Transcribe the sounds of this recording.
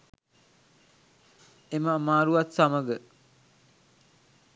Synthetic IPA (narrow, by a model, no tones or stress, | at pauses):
eməmaːɾuat̪saməɡə